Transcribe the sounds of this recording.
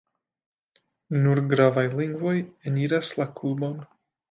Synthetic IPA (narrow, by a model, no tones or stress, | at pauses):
nuɾɡɾavajliŋɡvo̞jeniɾaslaklubo̞n